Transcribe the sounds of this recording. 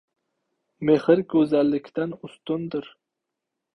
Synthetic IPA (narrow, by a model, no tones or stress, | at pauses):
mehɪɾkʲʰɵzalːɪkʲʰt̪anʊst̪ʊnd̪ɪɾ